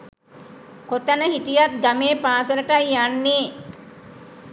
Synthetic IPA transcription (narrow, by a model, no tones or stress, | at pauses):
kot̪anəɦiʈijat̪̚ɡameːpaːsələʈajːanːeː